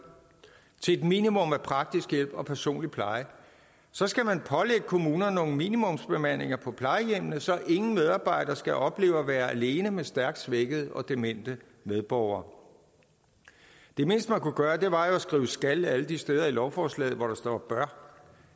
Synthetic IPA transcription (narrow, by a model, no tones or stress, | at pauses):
t͡sʰe̝ed̥mḭnimɔ̽mæpʰʁɑ̈ɡ̥̚d̥isɡ̥jel̰b̥ɒ̽pʰæɐso̝̰ːnlipʰlɑ̈ɪə | sɒ̽sɡ̥æmænpʰɒ̽leɡ̥əkʰo̝muːnɐno̝ːŋminimɔ̽msb̥e̝mæn̰e̝ŋɐpʰɒ̽pʰlɑ̈ɪəjem̰nð̩ˠsɒ̽ʔe̝ŋn̩með̞ˠɑ̈ːb̥ɑ̈ɪ̰ɾ̥ɐsɡ̥æʔɒ̽b̥le̝̰ːʊɒʋæːɐæle̝ːnəmesd̥æɐɡ̥̚d̥sʋeɡ̥əð̞̩ˠɒ̽d̥e̝men̰d̥ə | meðˠb̥ɒʊ̰ɐː | d̥e̝me̝n̰sd̥əmænkuɡ̥ɶːɐd̥e̝ʋɑ̈jo̝æsɡ̥ʁḭːʊəsɡ̥ælæləd̥isd̥eːð̞ˠɐilɒʊfɒːslɛ̰ːð̩ˠʋɒɾ̥ɑ̈sd̥ɒ̰b̥ɶɐ